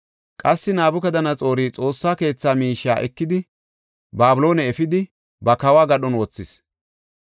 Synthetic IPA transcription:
kʼɐsːɪnaːbʊkɐd̪ɐnɐt͡sʼo̞ːɾiːt͡sʼo̞ːsːaːke̞ːt͡sːaːmiːʃːa̰ːʔɛkːɪd̪ɪ | baːbɪlo̞ːnɛɛfɪd̪ɪ | bɐkɐwaːɡɐɗɔnwɔt͡sːɪs

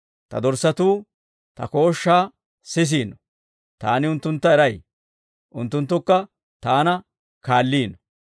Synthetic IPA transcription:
t̪ɐ̰d̪ɔɾsɐt̪uː | t̪ɐ̰ko̞ːʃːaː | sɪs̬iːnːɔ̥ | t̪aːnɪʊnt̪ːʊnt̪ːɐɛɾɐj | ʔʊnt̪ːʊnt̪ːʊkːɐ | t̪aːnɐ | kaːlːiːnɔ

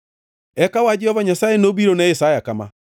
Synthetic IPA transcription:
ɛkawad͡ʒɛhɔvaɲasaːjenoβiɾonaesaːjakama̰

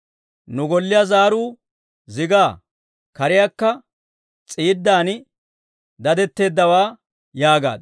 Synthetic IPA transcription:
nʊɡɔlːɪjazaːɾuː | zɪɡaː | kɐɾɪjakːɐ | t͡sʼiːd̪ːaːn | d̪ɐd̪ɛt̪ːe̞ːd̪ːɐwaː | jaːɡa̰ːd̪

